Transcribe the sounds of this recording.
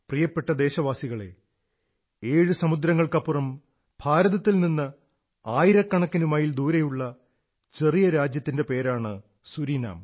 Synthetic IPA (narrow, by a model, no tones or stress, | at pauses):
prijɐpːe̞ʈːɐd̪e̞ːɕɐʋaːsiɣɐɭe̞̰ | eːɻɨsɐmud̪ɾɐŋːɐɭkɐpːurɐm | bʱaːɾɐðɐt̪ːilninːɨ | aːjiɾɐkːɐɳɐkːɐnumaːjild̪uːɾɐjuɭːɐ | t͡ɕe̞rijɐɾaːd͡ʑjɐt̪ːinde̞pe̞ːɾaːɳɨ | suɾina̰ːm